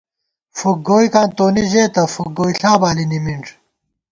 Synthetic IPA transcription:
fuk̚ɡoːikaːnt̪oːniʑeːt̪ɐfuk̚ɡoːiɬaːbaːlinimiɳʈ͡ʂ

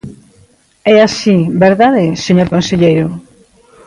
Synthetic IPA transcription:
ɛasibeɾðaðeseɲoɾkonseʎejɾʊ

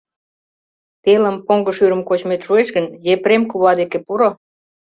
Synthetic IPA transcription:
t̪eləmpoŋɡəʃyɾəmkot͡ɕmet̪ʃueʃɣənjepɾemkuβɑd̪ekepuɾo

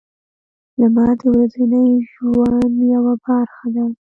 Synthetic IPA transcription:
lamɑd̪əwɾazənəjʃuwɑnjawabɑɾxad̪a

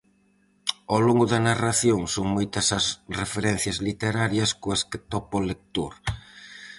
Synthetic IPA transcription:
awloŋɡʊðɐnaraθjoŋsoŋmojt̪ɐsɐsrefeɾɛn̟θjɐzlit̪eɾaɾjɐskoesket̪ɔpolek̚t̪oɾ

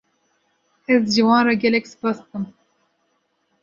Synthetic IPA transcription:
ɛzʒiwɑːnrɑɡʲɛlɛksɨ̥pɑːst̪ɨm

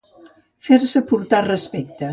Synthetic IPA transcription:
feɾsəpuɾt̪arəspɛk̚t̪ə

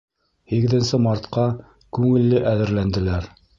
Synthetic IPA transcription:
hiɡɘ̆ðɘ̆nsɘmɑɾt̪qɑ | kʉŋɘ̆lːɘʔæðɘ̆ɾlænd̪ɘ̆læɾ

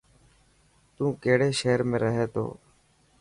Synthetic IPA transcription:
t̪ũːkeːɽeːʃeːɾmẽːɾəɦeːt̪o̰ː

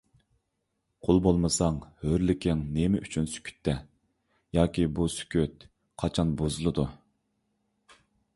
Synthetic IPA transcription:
qʰolˠbolˠmɨsɑŋhøɾlɪkʲʰɪŋnemɪʔyt͡ʃʰynsy̥kʲʰy̥t̪ʰːɛ | jɑːkʲibusy̥kʲʰyt̪ | qʰɑt͡ʃʰɑnbozɨlˠɨd̪u

